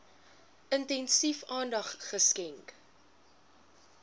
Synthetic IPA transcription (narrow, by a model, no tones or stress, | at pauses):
ʔəntɛnsifɑːndɐχχəskɛŋk